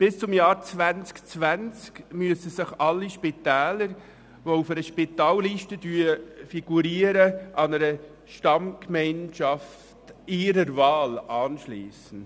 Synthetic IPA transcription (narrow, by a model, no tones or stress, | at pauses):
b̥ɪst͡sʊmjɑːɾt͡sʋænt͡skt͡sʋænt͡skmyəsəsɪχɑlːiʃpit̪ɛːləɾ | ʋoufɛɾəʃpit̪ɑːlliːʃtədyəfiɡ̥uɾiːəɾəʔɑnəɾə | ʃtɑmkmɛɪnʃɑf | tiːɾəɾvɑːlɑːnʃliːsən̩